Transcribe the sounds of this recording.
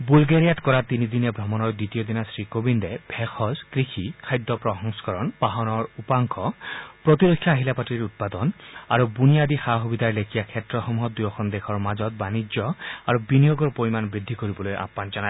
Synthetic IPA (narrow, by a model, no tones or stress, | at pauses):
bulɡeɹijatkɔɹat̪inid̪inɛbʱɹɔmɔnɔjd̪it̪ijod̪inasɹikobind̪ɛbʱɛxʰɔzkɹixʰikʰajd̪ːɔpɹɔɦɔŋsɔ̥kɔɹɔnpaɦɔnɔɹupaŋkʰɔpɹɔt̪iɾokʰjaɦilapatiɹut̪̚pad̪ɔna̰ɹubunijad̪ixaɦubid̪ʱaɹlekʰijakʰɛtɹɔxɔmuɦɔd̪ujɔxʰɔnd̪ekʰɔɹmazɔt̪̚banid͡ʒjɔaɹubinijoɡɔɹpoɹimanbɹid̪ʱːikoɹibɔlojʔa̰pːanzɔna